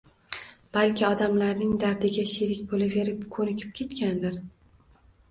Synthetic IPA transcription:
b̥alkʲɪɒd̪amlaɾnɪŋd̪aɾd̪ɪɡʲaʃeɾɪkʲbolave̞ɾɪpkʰɵɾɪkʲʰɪ̥p̚kʲʰe̞t̪kʲand̪ɪɾ

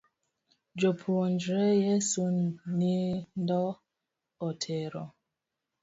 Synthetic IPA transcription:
d͡ʒopʰuond͡ʒɾɛjɛsunnindɔ | ɔtʰɛɾɔ̰

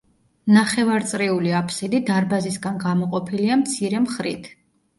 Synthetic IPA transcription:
naχɛvaɾt̪sʼɾiuliapʰsid̪id̪aɾbazisɡanɡamɔqʼɔpʰiliamt̪sʰiɾɛmχɾit̪ʰ

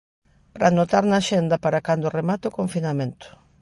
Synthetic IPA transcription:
pɾanot̪aɾnaʃɛnd̪ɐpaɾakand̪ʊremat̪okoɱfinamẽnt̪ʊ̥

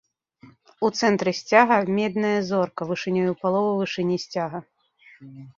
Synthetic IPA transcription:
ut̪sɛnt̪ɾɨsʲt͡sʲaɣɐmʲɛd̪nɐjɐzɔrkɐvɨʂɨnʲɔjupalˠɔvɐvɨʂɨnʲisʲt͡sʲaɣɐ

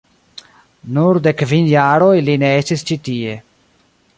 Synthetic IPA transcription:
nuɾd̪ekvinjaːɾojlineestist͡ʃit̪ie

